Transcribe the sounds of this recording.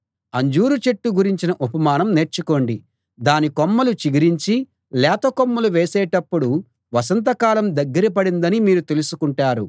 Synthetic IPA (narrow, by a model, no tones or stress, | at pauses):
ɐɲd͡ʒuːɾut͡ʃe̞ʈːuɡuɾiɲt͡ʃinɐʔupɐmaːnɐmne̞ːɾt͡ʃuko̞ɳɖi | d̪aːnikomːɐlut͡ʃiɡiɾiɲt͡ʃi | lɛːt̪ɐkomːɐluʋeːsɛːʈɐpːuɽu | ʋɐs̬ɐnt̪ɐkaːlɐmd̪ɐɡːɐɾip̬ɐɽind̪ɐnimiːɾut̪e̞lusukuɳʈaːɾu